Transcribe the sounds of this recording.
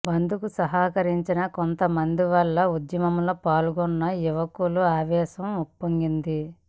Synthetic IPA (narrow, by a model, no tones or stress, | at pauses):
bɐnd̪ukusɐɦaːkɐɾiɲt͡ʃinɐkont̪ɐmɐnd̪iʋɐlːɐud̪jɐmɐmloːpaːluɡɔnːɐuʋɐkuluaːʋɛːʃɐmupːoŋɡind̪i